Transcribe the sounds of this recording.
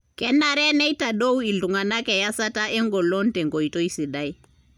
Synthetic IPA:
kɛ˦na˦ɾɛ˦nɛ˦i˦ta˨ɗo˦u˦i˨lu˨ŋa˨na˦kɛ˨ja˦sa˦ta˦ʔɛ˦ŋɡɔ˨lɔ˦n˦tɛ˨ŋɡɔ˨i˨tɔ˦i˦si˨ɗa˦i˦

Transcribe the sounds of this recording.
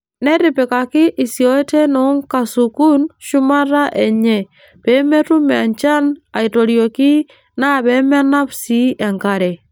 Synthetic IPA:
nɛ˦ɾɪ˨pɛ˨ka˨kɪ˦ʔi˨si˨o˦te˦nɔ˨˦ŋka˨su˨ku˦nʃʊ˦ma˦ɾa˦ʔe˨ɲɛ˨ | b̥e˨˦me˦tu˦mɛ˨a˨nt͡ʃa˦na˨i˨to˨ɾjo˨kɪ˦ | na˦˨bɛ˨˦mɛ˦na˦psi˦ɛ˨ŋka˦ɾɛ˨

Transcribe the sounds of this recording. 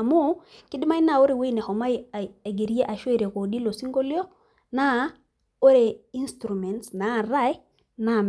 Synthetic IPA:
a˨mu˦ki˦di˦ma˦jna˨o˦ɾe˨we˦ne˨ho˨ma˦je˨ɡe˨ɾi˦e˦ʔa˨ʃwe˦˨ɾe˨ko˨di˦lo˨si˦ŋɡo˦li˦o˦ | na˦ | o˦ɾe˨i˦nstɾu˨me˨ntsna˨˦˨ɾa˦j | na˦˨m

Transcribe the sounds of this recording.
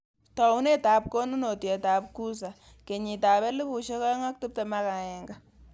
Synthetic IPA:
tɔ˨u˦ne˦ta˨p̚ko˦nu˦no˨tjɛ˨ta˨p̚ku˦s̬a˨ | ke˨ɲi˨ta˨βɛ˦lu˦bu˨ʃe˦ka˦ŋa˦k̚tu˦p̚tɛ˦˨ma˦ka˨ɛ˨ŋɡa˦

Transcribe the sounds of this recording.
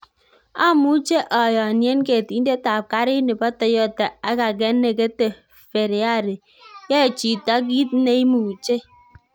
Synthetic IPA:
a˦mu˦t͡ʃe˦ʔɔ˨jɔ˨a˨nje˦n˦ke˦˨ti˦n˦de˦ta˨p̚ka˦ɾi˦ne˨pa˦tɔ˨jɔ˦˨ta˨a˦ka˨ɡ̬e˦n̩˦ne˨ke˦te˦ | fe˨ɾe˨a˦˨ɾe˨ | je˦˨t͡ʃi˨ta˦ɡ̬i˦t̚n̩˦ne˦i˦mu˨u˨t͡ʃe˦

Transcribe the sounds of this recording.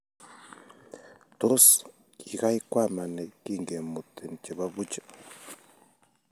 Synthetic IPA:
t̪o˦s | i˨ɣa˦i˦kwa˦˨ma˨ne˨ki˦ŋɡe˨mu˨t̪e˨n˨t͡ʃe˨βa˦βu˦t͡ʃḁ˦

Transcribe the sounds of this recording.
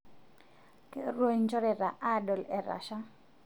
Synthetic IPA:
ke˦ɾwo˦ɲt͡ʃɔ˦ɾɛ˨ɾa˨ʔa˦˨dɔ˨lɛ˨ɾa̰˨ʃa˦

